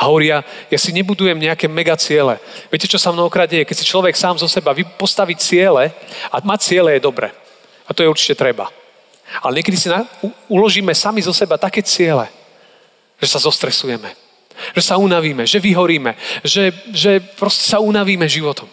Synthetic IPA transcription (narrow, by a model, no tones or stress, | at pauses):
aɦɔʋɔɾijajasiɲɛbud̪ujɛmɲɛakɛːmɛɡat͡sɪɛlɛ̰ʋɪɛcɛt͡ʃɔsamnɔɦɔkɾaːd̪̚ɟɛjɛkɛcsit͡ʃlɔʋɛksaːmzɔsɛbaʋipɔst̪aʋict͡sɪɛlɛamat͡sɪɛlɛjɛd̪ɔbɾɛ̰ː | at̪ɔjɛuɾt͡ʃi̥cɛt̪ɾɛba̰ | alɛɲɛk̬ɛd̪isinauulɔʒiːmɛsamizɔsɛbat̪akɛːt͡sɪɛlɛ̰ | ʒ̥ɛsazɔst̪ɾɛsujɛmɛ | ʒ̥ɛsaunaʋiːmɛʒɛʋiɦɔɾiːmɛʒɛʒɛpɾɔscɛ̥saunaʋiːmɛʒiʋɔt̪ɔm